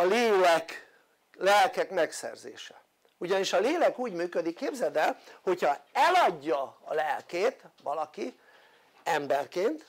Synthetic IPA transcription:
ɒleːlɛk | lɛlkɛkmɛksɛ̰rzḛːʃɛ | uɟɒniʃɒleːlɛkuːɟmyːkød̪ikːeːbzɛd̪ɛlho̞chɒɛlɒɟːɒːlɛlkeːt̪ʋɒlɒki | ɛmbɛrkeːnt̪

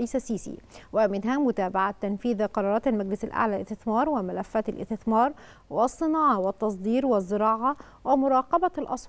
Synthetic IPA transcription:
ʔiːsasiːsḭːwɪmɪnɦæmʊt̪aːbaʕat̪ːænfiːðqɑɾˤɑːɾɑːt̪almæɡlɪsalʔa̰ʕlælʔɪst̪ɪθmɑːɾˤwɪmɪlæfːæːt̪ɪlʔɪ̰st̪ɪθmɑːɾˤ | wɪsˤːɨnɑːʕɑwɪt̪ːɑsˤd̪ˤiːɾwɪzːɪɾɑːʕɑ | wɪmʊɾˤɑːqɑbɑlʔɑ̰sˤ

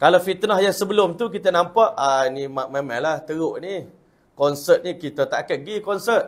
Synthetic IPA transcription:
kalafit̪nahjaŋsəbəlʊmt̪uk̬it̪ənampaʔanimaʔmamãŋlaht̪əɾoʔni | kɔnsət̪̚nikit̪ət̪aʔkaɡikɔnsət̪̚

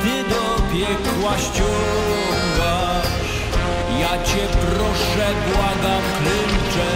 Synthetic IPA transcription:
t̪ɪd̪ɔpʲjɛkwaɕt͡ɕɔ | ŋɡa | jat͡ɕɛpɾɔʂ | ɛd̪waɡafklɛmt͡ʂɛ

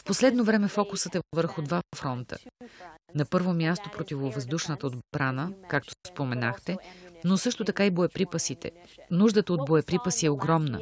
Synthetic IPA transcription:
fposlɛd̪novɾɛmɛfɔkʊsət̪ɛvəɾxʊd̪vafɾɔnt̪ʰə̰ | nɐpɤɾvomjast̪opɾot̪ivovəzd̪uʃnət̪əod̪bɾanəkak̚t̪o̥spomɛnaxt̪ɛnosɤʃt̪ot̪ɐkaiboɛpɾipəsit̪ɛ̰nuʒd̪ət̪əod̪̚boɛpɾipəsiɛoɡɾɔmnə̰

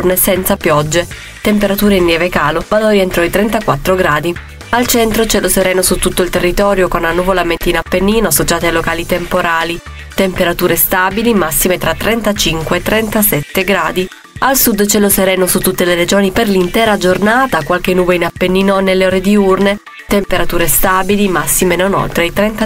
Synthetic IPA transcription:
rnesɛnt̪sapjɔd͡ʒːe | t̪empeɾat̪uːɾeinːjɛːvekaːlovalɔːɾient̪ɾɔit̪ɾɛnt̪akwat̪ːɾoɡɾaːd̪i | alt͡ʃɛnt̪ɾot͡ʃɛloseɾɛːnosut̪ːut̪ːoilt̪erːit̪ɔːɾjokonanːuvolament̪inapːenːiːnoasot͡ʃaːt̪ealokaːlit̪empoɾaːli | t̪empeɾat̪uːɾest̪abilimasːimet̪ɾat̪ːɾɛnt̪at͡ʃiŋkweːt̪ːɾɛnt̪asɛt̪ːeɡɾaːd̪i | alsud̪t͡ʃɛloseɾɛːnosut̪ːut̪ːeleɾed͡ʒoːniperlint̪ɛːɾad͡ʒornaːt̪akwalk̟enːuːbeinapːenːiːnonelːeoːɾed̪iurne | t̪empeɾat̪uːɾest̪aːbilimasːimenono̰lt̪ɾejt̪ɾɛnt̪a

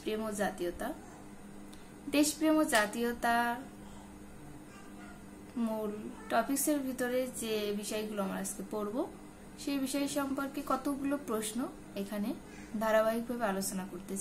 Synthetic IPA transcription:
pɾiemod͡ʑat̪iot̪a | d̪eʃpɾiemod͡ʑat̪iot̪a | mulʈɔpikseɾbʱit̪oɾed͡ʑebiʃɔjɡuloamɾaask̪epoɾbo | ʃebiʃɔeʃɔmpoɾkekɔt̪oɡulopɾosno | ekʰane | d̪ʱaɾaβaɦik̚bʱabealot͡ɕonakoɾt̪et͡ɕa

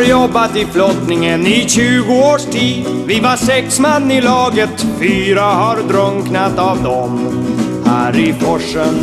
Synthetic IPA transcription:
ɾjɔbːat̪ɪflɔt̪nɪŋənɪɕʉ̟ːɡʊoːʂʈʰiːd̪ | vɪvaʂɛksmanːɪlɑːɡət̪fyːɾahaɾd̪ɾœŋknat̪avd̪ɔm | hæːɾɪpʰɔʂən

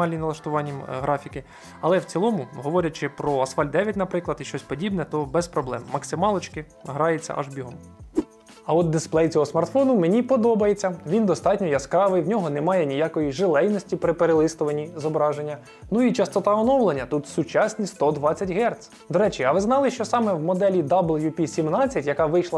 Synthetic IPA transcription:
ɑlʲnʲinɐlˠɐʃt̪ʊʋɑnʲːiɦɾʔɑfʲikɪ | ɐlˠɛwt͡sʲilˠɔmʊɦɔʋɔɾʲɐt͡ʃɪpɾɔɐsfɑlʲd̪d̪ɛʋʲjɐtʲnɐpɾɪklˠɐd̪iʃt͡ʃɔsʲpɔdʲibnɛt̪ɔbɛspɾɔblˠɛmːɐksɪmɑlˠɔt͡ʃkɪ | ɦɾɑjet͡sʲːɐ̰ʔɐ̰ʒbʲiɦɔm | ɐɔt̪̚d̪esplˠɛjt͡sʲɔɦɔsmɐrt̪fɔnʊmenʲipɔd̪ɔbɐjet͡sʲːɐʋʲind̪ɔst̪ɑtʲnʲɔjɐskɾɑʋɪjwnʲɔɦɔnɛmɑjɛnʲijakɔjiʒelˠɛjnɔsʲtʲipɾɪpeɾelˠɪst̪ʊʋɐnʲizɔbɾɑʒenʲːɐ | nuit͡ʃɐst̪ɔt̪ɑɔnɔwlˠenʲːɐt̪ut̪sʊt͡ʃɑsʲnʲist̪ɔd̪ʋɑt͡sʲːɐtʲɦɛrt̪s | d̪ɔɾɛt͡ʃiɐʋɪznɑlˠɪʃt͡ʃɔsɑmɛwmɔd̪ɛlʲid̪ablˠjupʲisʲimnɑt͡sʲːɐtʲjɐkɑʋɪjʃlˠɐ

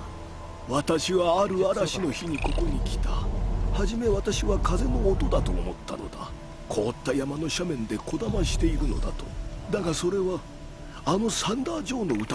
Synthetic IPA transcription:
βat̪aɕiβaːɾɯ̟aɾaɕino̞çiɲ̟iko̞ko̞ɲ̟ikʲi̥t̪ahaʑime̞βat̪aɕiβakaze̞no̞ːt̪o̞d̪at̪o̞̰ːmo̞t̪ːa̰no̞̰d̪a̰ | kʰo̞ːt̪ːajamano̞ɕamẽ̞nd̪e̞ko̞d̪amaɕi̥t̪e̞iɾɯ̟no̞̰d̪at̪o̞̥d̪aɡaso̞ɾe̞βaː | no̞sãnd̪aːʑo̞ːno̞ɯ̟t̪

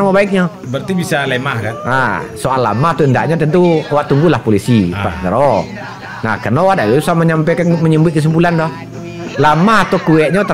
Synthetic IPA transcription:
mɔbaɪk̚ɲɔ | bərt̪ibisalemahkana̰soʔalːa̰maht̪uəndaʔɲɔt̪ənt̪uwaʔt̪uŋɡulahpolisipasnəɾɔ | na̰hkərnowaʔdaʔusaməɲampakanməɲəmbʊt̪̚kəs̬əmpulandɔh | lamaɦat̪okuɛʔ̚ɲɔt̪ə

